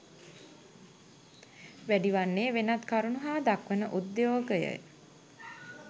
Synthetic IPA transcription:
ʋæɖiʋanːeːʋenat̪kaɾunuɦaːd̪akʋənəʔud̪ːjoːɡəjə̰j

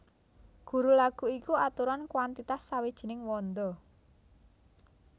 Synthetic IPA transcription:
ɡ̥ṳɾulaɡ̥uikuat̪uɾankwant̪it̪asːawid̥ʒ̥i̤nɪŋwɔnd̪ɔ

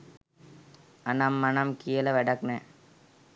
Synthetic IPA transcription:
anamːanɐmkijələʋæɖaknɛː

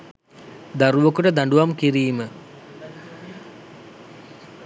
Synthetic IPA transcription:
d̪aɾuʋəkuʈəd̪aɳɖuʋamkiɾiːmə

